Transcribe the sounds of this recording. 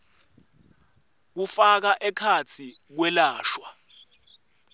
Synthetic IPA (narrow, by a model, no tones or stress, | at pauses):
k̬ufak̬aʔɛkʰat͡sʰi | k̬wɛlaːʃwa